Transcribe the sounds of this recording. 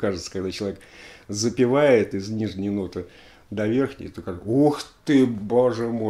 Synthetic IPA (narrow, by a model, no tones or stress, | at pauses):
kaʐɨt̪sə̥kɐɡd̪at͡ɕɪlˠɐvʲekzəpʲɪvajɪt̪ɪznʲiʐnʲɪjnot̪ɨ | d̪ɐvʲe̞rxnʲɪ̰jt̪okaʐɨsoxt̪ɨboʐɨmo